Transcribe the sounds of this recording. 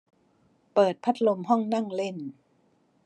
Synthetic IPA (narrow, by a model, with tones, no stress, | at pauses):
pɤː˨˩t̪̚pʰa˦˥t̪̚lo˧mɦɔ˥˩ŋna˥˩ŋle˥˩n